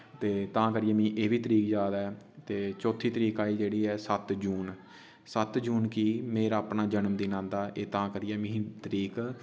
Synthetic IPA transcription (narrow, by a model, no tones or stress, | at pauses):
t̪eːt̪ãːkəɾɪjɛ̃ːmĩːʔeːʋiːt̪əɾiːkd͡ʒaːd̪ɛː | t̪eːt͡ʃoːt̪ʰːiːt̪əɾiːkaːiːd͡ʒeːɽiːɛːsət̪d͡ʒuːn | sət̪d͡ʒuːnkiːmeːɾaːpnaːd͡ʒənmd̪iːnãːnd̪aːʔeːt̪ãːkəɾijɛːmĩːt̪əɾiːk